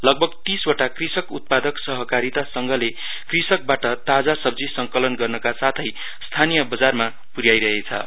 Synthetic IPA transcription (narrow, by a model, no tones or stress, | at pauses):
lʌɡ̚bʱʌɡt̪iswoʈakrisʌkṵt̪̚pad̪ʌksʌɦʌkaɾit̪asʌŋɡʌle | krisʌk̚baʈʌt̪ad͡zasʌb̚d͡zisʌŋkʌlʌnɡʌrnʌkasat̪ʰʌj | st̪ʰanijʌbʌd͡zarma | puɾjajɾʌɦet͡sʰʌ̰